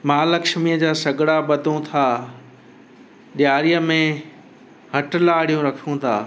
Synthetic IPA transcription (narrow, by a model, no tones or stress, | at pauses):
maːlɐkʃmiəd͡ʑaːsɐɡɽaɓɐt̪õt̪ʰaː | ɗjaːɾijəmẽ | ɦɐʈlaːɽijũɾɐkʰijũt̪ʰa̰ː